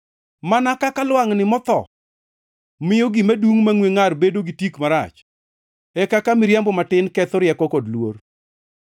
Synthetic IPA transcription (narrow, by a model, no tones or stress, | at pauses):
manakakalwaŋnɪmɔt̪ɔ̰ | mɪjoɡimaduŋmaŋweŋarbedoɡitikmaɾa̰t͡ʃ | ɛkakamɪɾjambɔmatɪnkɛt̪ɔɾjɛkɔkodlwor